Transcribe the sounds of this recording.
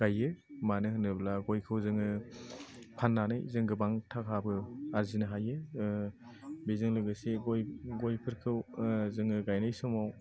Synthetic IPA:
ɡ̥ajːɯmanɯhɯnɯblaɡojkʰɯwzɯŋɯ | pʰanːana̰jzɯŋɡɯbaŋtʰakʰabɯaɾzinɯɦajɯ | bizɯŋlɯɡɯseɡojɡojpʰɯɾkʰɯwzɯŋɯɡajnajsɔmaw

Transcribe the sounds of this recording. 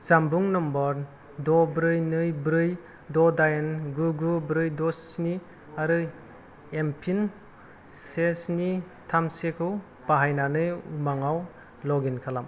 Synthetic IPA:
z̥ambuŋnɔmbɔɾ | dɔbɾɯjnɯjbɾɯj | dɔdajnɡuɡubɾɯjdɔsni | aɾɯ | empʰin | sesni | tʰamsekʰɯw | b̥aɦajnanɯjumaŋaw | lɔɡinkʰalam

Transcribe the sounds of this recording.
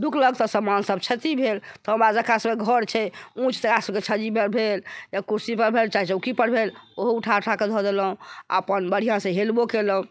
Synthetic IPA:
d̪ukʰləɡt̪ɔsəmansəbt͡ʃʰət̪ibʱelt̪ɔɦə̃mɾad͡ʒəkasəmeɡʱəɾt͡ʃʰɛũt͡ʃʰt̪ekasəbket͡ʃʰəd͡ʒibəɾbʱeljakuɾsipəɾbʱelt͡ʃaɦit͡ʃukipəɾbʱeloɦuʈʰaʈʰaked̪ʱɔd̪eləɦũa̰pənbəɽ̤ijãsə̃ɦelbokeləɦũ

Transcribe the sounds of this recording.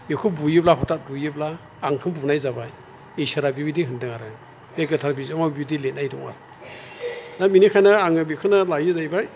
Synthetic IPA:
mikʰubujiblaɦɔtat̚bujɯblaː | ŋkʰɯmbunajzabaj | ejsaɾabibidiɦɯndɯŋaɾɯ | meɡɯtʰaɾbizamawbibdilet̚najdɔŋa̰ | naminikʰajnaaŋɯbikʰɯnalajɯzajbaj

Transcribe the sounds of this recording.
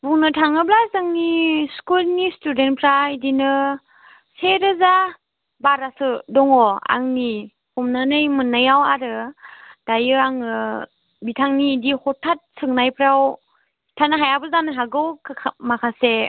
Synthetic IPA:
buŋnɯtʰaŋɯblasɯŋniskulnistudenpʰɾaidinɯ | seɾɯza | baɾasɯdɔŋɔa̰ŋni | kʰɔmnanɯjmɯnːajawaɾɯd̥ajɯaŋɯ | bitʰaŋnidihɔtʰːat̚sʰɯŋnajpʰɾaw | tʰanɯɦajabɯzanɯɦaɡɯwkʰmakʰase

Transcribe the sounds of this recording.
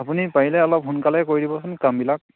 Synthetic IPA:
apunipaɦilɛɔlɔp̚ɦunkalɛkoɹidibɔsɔnkambilak̚

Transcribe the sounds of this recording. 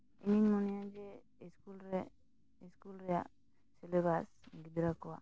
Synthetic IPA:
iniɲmɔnɛjad͡ʒɛ | iskulɾɛ | iskulɾɛjaʔ | sɛlɛβasɡid̪ɾakɔwa̰ʔ

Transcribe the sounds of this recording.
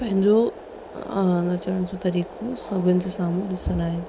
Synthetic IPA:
pɐ̃ɦɪ̃ɲd͡ʑo | nɐt͡ɕəəɽ̃d͡ʑõt̪ɐɾiːkʰosɐbʱʊnɪ̆d͡ʑesãːmũɗɪsənaːɦɪnɪ̆

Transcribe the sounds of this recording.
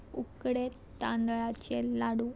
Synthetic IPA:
ukɽe | t̪ãnd̪ɭat͡ɕelaɽũ

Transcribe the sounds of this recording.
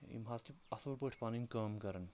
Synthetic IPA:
ḭmɦaːzkiɐsəlpəʈʰpaːninkɐːmkɐɾən

